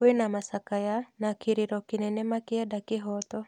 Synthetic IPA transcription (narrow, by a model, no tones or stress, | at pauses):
wenamasakajanakiɾiɾɔkɪnɛnɛmakɪjadakɪɦɔt̪ɔ